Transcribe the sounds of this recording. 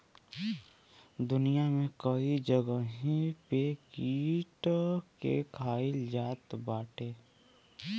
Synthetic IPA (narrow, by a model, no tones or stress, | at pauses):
d̪ʊnijamẽkəid͡ʒəɡəɦĩpeːkiːʈkḛkʰaːɪld͡ʒaːt̪baːʈʰeː